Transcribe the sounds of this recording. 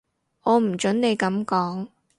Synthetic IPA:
ʔɔː˨˧m̩˨˩t͡ʃɵ˨˥nne˨˧jkɐ˨˥mkɔː˨˥ŋ

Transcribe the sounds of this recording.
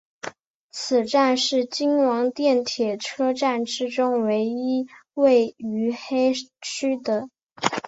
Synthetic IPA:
t͡sʰɹ̩˨˩ʈ͡ʂa˥˧nʂɻ̩˥˩t͡ɕi˥ŋwɑ˧˥ŋt̪jɛ˥˩nt̪ʰjɛ˨˩ʈ͡ʂʰɤ˥ʈ͡ʂa˥˩nʈ͡ʂɻ̩˥ʈ͡ʂʊ˥ŋwe˧˥ɪi˥we˥˩ɪy˧˥xe˥ɪt͡ɕʰy˥d̪ə˨

